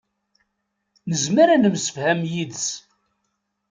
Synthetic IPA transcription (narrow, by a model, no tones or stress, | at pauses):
nəzmæɾænəmsə̥fhæmjiðs